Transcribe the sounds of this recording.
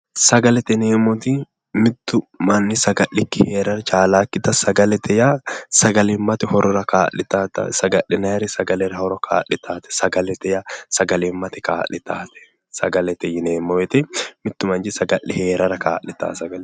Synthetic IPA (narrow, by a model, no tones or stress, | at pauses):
sɐɡɐlɛt̪ɛneːmot̪i | mɪt̪ːʊmɐnːɪsɐɡɐʔːɪkːɪheːɾɐɾɐt͡ʃaːlaːkːɪt̪ɐsɐɡɐlɛt̪ɛjasɐɡɐlɪmːɐt̪ɛhɔɾɔɾɐkaːʔɪt̪aːt̪ɐ̰sɐɡɐʔɪnɐɾɪsɐɡɐlɛɾɐhɔɾɔkʰa̰ːʔɪt̪ʰaːt̪ɛ̥sɐɡɐlɛt̪ɛjasɐɡɐlɛmːɐt̪ɛkaːʔɪt̪aːt̪ɛ̥ | sɐɡɐlɛt̪ɛjɪneːmɔɛt̪ɛmɪt̪ːʊmɐnd͡ʒɪsɐɡɐlːɪheːɾɐɾɐkaːʔɪt̪a̰ːsɐɡɐlɛ